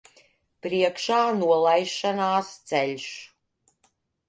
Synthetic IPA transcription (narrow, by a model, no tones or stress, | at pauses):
pɾiɛkʃaːnuɔlˠajʃanaːst̪sɛlʲʃ